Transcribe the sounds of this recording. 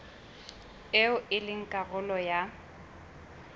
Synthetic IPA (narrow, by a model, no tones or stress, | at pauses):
ɪʊʔɪlɪŋ̩kʼaɣʊlɔja